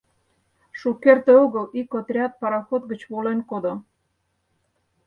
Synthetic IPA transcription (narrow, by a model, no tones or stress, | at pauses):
ʃukert̪ĕoɣəlikot̪rʲɑt̪̚pɑɾɑxot̪̚ɡə̆t͡ɕβolenkod̪o